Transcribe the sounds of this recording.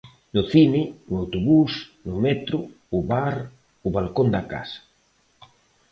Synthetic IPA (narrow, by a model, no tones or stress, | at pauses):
nʊθinɪnʊawt̪oβusnʊmɛt̪ɾʊː | βaɾ | ʊβalkond̪aka̰sḁ